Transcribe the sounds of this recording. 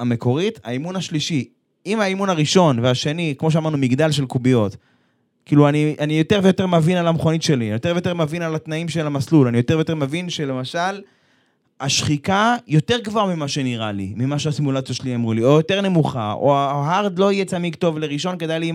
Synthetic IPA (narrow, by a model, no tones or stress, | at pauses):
ame̞ko̞ʁit̪a̰imunaʃliʃi | imaimunaʁiʃo̞nveaʃe̞nikmo̞ʃ̬eamaʁnumiɡd̪alʃ̬elkubijo̞t̪ | kiːluaniʔanijo̞te̞ʁvejo̞t̪emevinalamχonitʃe̞lijo̞tvejotemevinalat̪naimʃelamaslulanijo̞t̪e̞ʁvejotemevinʃe̞le̞maʃal | aʃχikajo̞te̞ʁɡvaʁmimaʃe̞niʁalḭmimaʃeasimulat͡sijoʃeliamʁulio̞jo̞t̪e̞ʁne̞muχaʔo̰aɦaʁd̪lo̞ijet͡samiɡt̪o̞vleʁiʃonked̪ajli